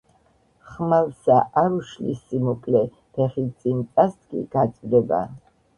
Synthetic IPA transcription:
χmalsaʔaɾuʃlḭsimɔkʼlɛ | pʰɛχit̪sʼint̪ʼast̪kʼḭɡ̥at̪sʼd̪ɛba̰

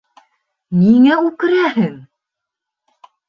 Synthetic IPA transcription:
niŋæʉkɘ̆ɾæhɘŋ

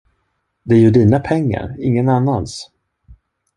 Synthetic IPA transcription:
d̪ɛæɾjɵd̪iːnapʰɛŋːa̰ɾɪŋːənanːans

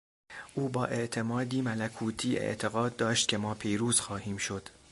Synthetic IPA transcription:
ʔuːbɒːʔe̞ʔt̪ʰe̞mɒːd̪iːmælækʰuːt̪ʰiːḛʔt̪ʰe̞ɣɒːd̪̚ːɒːʃt̪̚cʰe̞mɒːpʰiːɾuːz̥xɒːhiːmʃo̞d̪̥

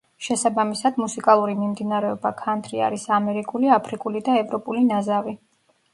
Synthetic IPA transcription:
ʃɛsabamisad̪musikʼalˠuɾimimd̪inaɾɛɔbakʰant̪ʰɾia̰ɾisamɛɾikʼuliapʰɾikʼulid̪aɛvɾɔpʼulinazavi

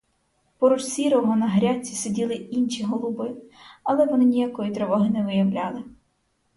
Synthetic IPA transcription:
pɔɾɔʃsʲiɾɔmʊnɐɦɾʲat͡sʲːi̥sedʲilˠɪinʃʲiɦɔlˠʊbɪɐlˠɛʋɔnɪnʲijakɔjit̪ɾɛʋɔɦɪnɛʋɪjɐʋlʲɑlˠɪ

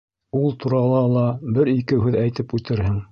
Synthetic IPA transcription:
ulˠt̪ʰuɾɑlˠɑlˠɑbɘɾikɘɦʉðæjt̪ɘpʉt̪ɘ̆ɾhɘŋ

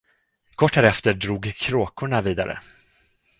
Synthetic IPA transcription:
kʰɔʈːhæɾɛft̪əɖɾuːɡkʰːɾoːkʊɳaviːd̪a̰ɾə̰

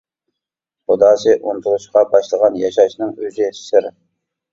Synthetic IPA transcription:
χʊd̪ɑːsɨʔunt̪ʰulˠuʃqɑbɑʃlˠəʁɑnjɑʃɑʃnɨŋøzɪsɪɾ

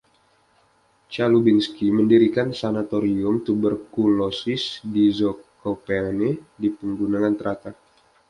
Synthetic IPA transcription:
t͡ʃalubinskiməndiɾikansanat̪oɾiʊmt̪ubərkulosɪsdizɔkopeanedipəŋɡunaŋant̪əɾat̪a

